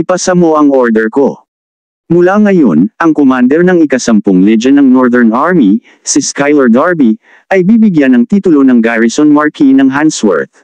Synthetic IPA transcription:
ʔɪpɐsɐmoɐŋo̞ɹd̪ɛɹko̞ | mʊlaŋɐjo̞nʔɐŋkomand̪ɛɾnɐŋɪkɐsɐmpoŋlɛd͡ʒɐnɐŋnoɹd̪ɛɹnaɹmi | siskajlɐɹd̪aɹbi | ʔɐjbibɪɡjanɐŋt̪iːt̪ʊlo̞nɐŋɡaɹɪsonmɐɹkinɐŋɦanswɛ̰ɹt̪̚

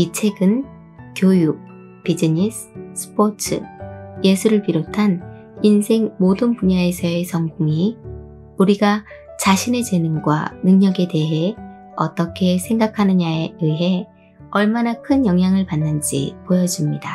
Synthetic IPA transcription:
it͡ɕʰe̞ɡɯn | kjojuk̚ | pid͡ʑiɲis | s͈ʰɯ̥pʰot͡ɕʰɯ̰je̞sʰuɾɯɭpiɾotʰan | insʰe̞ŋmodɯnpuɲaesʰʌe̞sʰʌŋɡuŋi | uɾiɡa | t͡ɕaɕʰine̞d͡ʑe̞nɯnɡwa̰nɯŋɲʌɡe̞de̞ɦe̞ | ʌt͈ʌkʰe̞sʰe̞ŋɡakʰanɯɲaeɯɦe̞ | ʌɭmanakʰɯnjʌŋjaŋɯɭpanːɯnd͡ʑḭpojʌd͡ʑimɲida

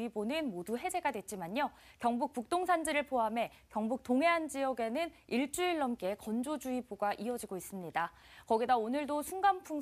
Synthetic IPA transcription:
ibonɯnmoduɦe̞d͡ʑe̞ɡadwe̞t̚t͡ɕ͈imaɲo | kjʌŋbuk̚puk̚t͈oŋsʰand͡ʑiɾɯɭpʰoɦame̞ | kjʌŋbuk̚t͈oŋɦe̞ɦand͡ʑiʌɡe̞nɯniɭt͡ɕ͈uiɭːʌmk͈e̞kʌnd͡ʑod͡ʑuiboɡaʔiʌd͡ʑiɡois͈ɯmɲida | kʌɡidaonɯɭdosʰuŋɡampʰuŋ

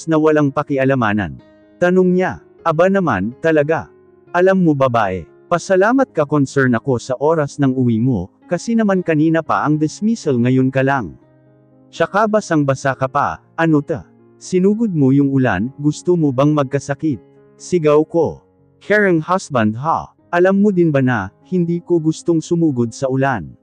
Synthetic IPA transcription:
snɐwɐlaŋpɐkɪʔɐlɐmaːnɐ̰n | t̪ɐnoŋɲa | ʔɐbanɐma̰nt̪ɐlɐɡa | ʔɐlamːobɐbaːʔɛ̰ | pɐsɐlaːmɐt̪̚kɐkonsɛɹnɐko̞sɐʔo̞ːɾɐsnɐŋʊwimo̰ | kɐsɛnɐmankɐniːnɐpɐ̰ʔɐŋd̪ɪsmisɛlŋɐjonkɐlaŋ | ʃɐkabɐsɐŋbɐsakɐpɐ̰ʔɐnot̪ɐ̰ | sɪnuːɡod̪̚mojʊŋʊla̰nɡʊst̪omobɐŋmɐɡ̚kɐsɐkit̪̚ | sɪɡawko | kʰɛɹɐŋhasbɐnd̪̚ɦa̰ | ʔɐlamːod̪ɪnbɐnɐhɪnd̪iːkoɡʊst̪oŋsʊmuːɡod̪̚sɐʊlan

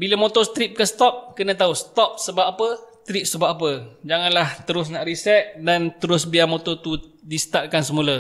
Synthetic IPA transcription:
biləmot̪ost̪ɾip̚kəsə̥t̪ɔp̚kənət̪ausə̥t̪ɔp̚səbaapəst̪ɾip̚səbapap̬əd͡ʒaŋanlaht̪əɾʊs̬naʔɾisɛt̪̚dant̪əɾʊsbiamot̪ot̪udisə̥t̪ar̚kans̬əmulə

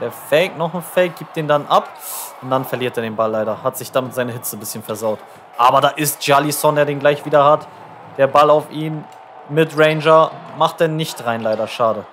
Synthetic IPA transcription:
d̥eːɐfɛɪk̚nɔχn̩fɛɪk̚ɡ̥iːp̚td̥eːndanʔap | ʊntd̥anfɛɐliːɐteːɐdeːnbalːaɪɾɐhatz̥ɪçd̥aːmɪtz̥aɪnəɦɪt͡səbɪsçənfɛɐzaʊt | ʔaːbɐdaːʔɪst̚ʒ̥alisɔndeːɐdeːnɡlaɪçv̥iːdɐhat | d̥eːɐbalaʊfʔiːm | mɪtʁɛɪnd͡ʒɐmaχtd̥enɪçtʁaɪnlaɪɾɐʃaːɾə

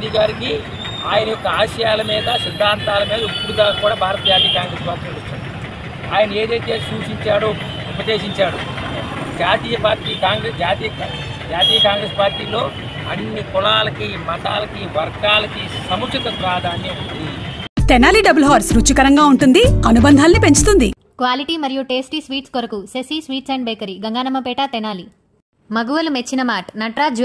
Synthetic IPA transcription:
d̪iɡaːɾiki | aːjɐnɐjɔkːɐaːʃɐjaːlɐmiːd̪ɐsid̪ʱːaːnt̪aːlɐmiːd̪ɐupːuɽuɡaːkuːɽaːbʱaːɾɐt̪ɐd͡ʒaːt̪iːjɐkaːŋɡɾeːspaːɾʈːiːloːut͡ʃːɐːi | aːjɐnɐe̞ːd̪ɐjt̪e̞ːsuːʂiɲt͡ʃaːɽu | upɐd̪e̞ːʃiɲt͡ʃaːɽu | d͡ʒaːt̪iːjɐpaːɾʈiːkaːŋɡɾed͡ʒaːt̪ij | d͡ʒaːt̪iːjɐkaːŋɡɾeːspaːɾʈiːlo̞ː | ɐnːikulaːlɐkimɐʈa̰ːlɐkiʋɐɾɡaːlɐkisɐmukʂɐt̪ɐpɾaːd̪ʱaːnːjɐud̪it̪ɛnaːliɖɐbɐlɦaːɾsɾut͡ʃːukɐɾɐŋɡaːuɳʈund̪iɐnubɐnd̪ʱaːlɐnipe̞ɲt͡ʃut̪und̪i | kʋaːliʈiːmɐɾijuʈeːsʈiːsʋiːʈskoɾɐkusesiːsʋiːʈsɐɳɖbeːkɐɾiɡɐŋɡaːnɐmɐpɛːʈaːt̪ɛnaːli | mɐɡuʋɐlumet͡ʃːinɐmaːʈnɐʈɾaːd͡ʒ

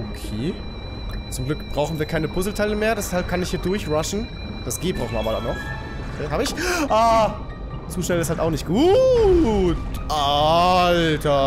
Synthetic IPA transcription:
ʔokʰeː | t͡sʊmɡlʏkb̥ʁaʊxn̩viːɐkʰaɪnəpʰʊzl̩tʰaɪləmeːɐdɛshalp̚kʰanɪçhiːɐdʊɐçʁaʃn̩ | d̥asɡ̥eːbʁaʊxn̩vɐabɐdanːɔχ | okʰeːhaːbəɪçʔaː | t͡suːʃnɛlɪsthaltaʊnɪçt̚ɡ̥uː | tʔaltɐ

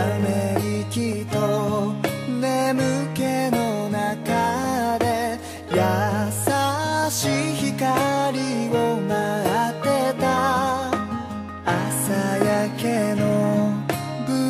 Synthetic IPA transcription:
meɾʲikʲit̪o | ne̞mɯ̟ke̞no̞nakad̪e̞ | jasaɕiçikaɾʲio̞maat̪et̪a | asajake̞no | bɯ

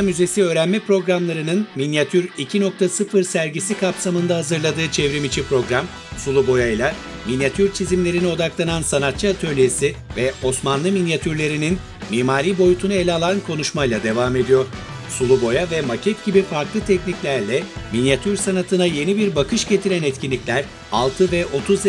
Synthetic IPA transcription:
myze̞siø̞ːɾænmɛpɾo̞ɡɾamlˠaɾɯnɯnminjat̪ʰyɾicʰino̞k̚t̪ʰasɯfɯɾsæɾɟisikʰapsamɯnd̪aɦazɯɾlˠad̪ɯːt͡ʃʰevɾimit͡ʃʰipɾo̞ɡɾam | sulˠubo̞jajlˠa | minjat̪ʰyɾt͡ʃʰizimlʲe̞ɾinio̞d̪aklˠanansanat̪̚t͡ʃʰːɯat̪ʰølʲijesivɛo̞smanlˠɯminjat̪ʰyɾlʲe̞ɾinin | miːmaːɾiːbo̞jut̪ʰunae̞lʲɛalˠankʰo̞nuʃmajlˠad̪e̞vaːme̞d̪ijo̞ɾ̥ | sulˠubo̞javɛmacʰɛt̪ɟ̥ibifaɾklˠɯt̪ʰɛcniclʲæɾlʲɛminjat̪ʰyɾsanat̪ʰɯnaje̞nibiɾbakɯʃɟe̞t̪ʰiɾænɛt̪cʰinlːʲiclʲæɾ̥ | alˠt̪ʰɯvɛʔo̞t̪ʰuz

